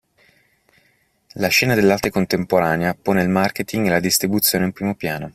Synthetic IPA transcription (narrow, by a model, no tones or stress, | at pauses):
laʃɛːnad̪elːart̪ekont̪empoɾaːneapoːneilmarket̪iŋɡelad̪ist̪ɾibut̪sːjoːneimpɾiːmopjaːno